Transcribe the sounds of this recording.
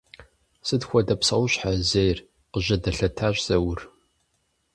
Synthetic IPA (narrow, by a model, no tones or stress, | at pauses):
sɨdxʷɔdɐpsɐwʊɕħazejr | qəʑɐdɐɬɐtʰaːɕʷʼz̥ɐwʊr